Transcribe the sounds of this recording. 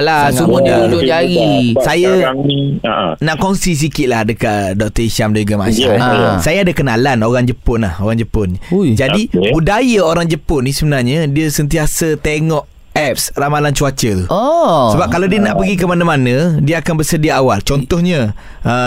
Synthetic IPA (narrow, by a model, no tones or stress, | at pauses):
laumudiud͡ʒʊd͡ʒaɾisajaḭnaʔkonsis̬ikɪʔ̪̚lahdəkaʔ̪dɔk̚t̪əisamdaɲd͡ʒuɡama̰sa̰sajaadəkənalanoɾaŋd͡ʒəpʊnla̰hoɾaŋd͡ʒəpʊnd͡ʒadiudajəoɾaŋd͡ʒəpʊnisəbənarɲədiəsənt̪̬iasət̪eŋɔʔ | ɛp̚sramalant͡ʃuat͡ʃət̪uɔsəbap̚kalawdiənãʔpəɡikəmanamanə̃diəakanbərsədiaawalt͡ʃɔnt̪ɔhɲə | ə